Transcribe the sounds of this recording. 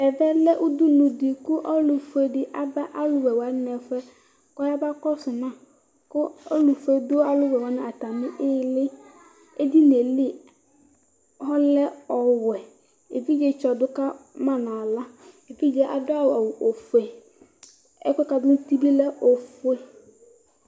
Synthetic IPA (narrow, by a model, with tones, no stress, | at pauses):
ɛ˨vɛ˦lɛ˦ʔʊ˦dʊ˦nʊ̃˨dɪ˨kʊ˦ʔɔ˦lʊ˨fe˦dɪ˦ʔa˦ba˦ʔa˦lʊ˦˨wɛ˨wa˨˦nɛ˨fɛ˦ | kɔ˦a˦ba˦kɔ˦sʊ˨nã˨ | kʊ˦ɔ˦lʊ˨fe˦dʊ˦a˦lʊ˦wɛ˨wa˦nʊ̃˦˨a˨ta˨mɪ̃˦ʔɪ˦lɪ˦ | e˦di˦ne˨lɪ˦˨ | hɔ˦lɛ˦ɔ˨wɛ˨ | e˨vi˦d͡ʒɛ˨t͡ʃɔ˨dʊ˦ka˦mã˨nã˨la˦e˨fi˦d͡ʒɛ˦ʔa̰˨dʊ˦a˦wa˨wʊ˨ʔo˨fe˨ | ɛ˦kɔ˦ka˨dʊ˦n˦ti˦bi˦lɛ˦ʔo˨fʊ˦e˦